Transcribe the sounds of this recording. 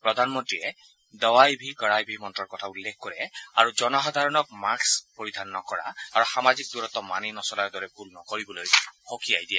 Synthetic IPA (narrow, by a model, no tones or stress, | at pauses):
pɹɔdʱanmɔntɹiɛ | dɔwajbʱiɡɔɹajbʱimɔntɹɔɹkɔtʰaulːekʰkɔɹɛaɹuzɔnɔxɔdʱaɹɔnɔk̚makspoɹid̪ʱanːɔkɔɹa̰ːɹuxamazik̚duɹɔt̪ɔmaninɔsɔlaɹdɔɹɛbʰʱulnɔkoɹibɔlojxokia̰jdijɛ